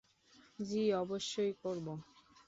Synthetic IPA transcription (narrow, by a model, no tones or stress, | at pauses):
d͡ʑiɔboʃːojkoɾbo